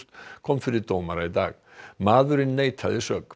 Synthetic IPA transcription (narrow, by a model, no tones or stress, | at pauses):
t̪kʰɔmːfɪɾɪd̪oːmaɾaid̪aːɣ | maːðʏɾɪnːejt̪ʰa̰lɪsœk